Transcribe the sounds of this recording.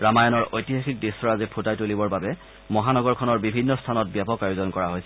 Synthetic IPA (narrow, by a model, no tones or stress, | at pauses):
ɹamajɔnɔɹojtiɦaxik̚desɔɹazipʰutajtolibɔɹbabɛ | mɔɦanɔɡɔɹkʰɔnɔɹbibʱinːɔstʰanɔt̚bjapɔkajozɔnkɔɹaɦojsɛ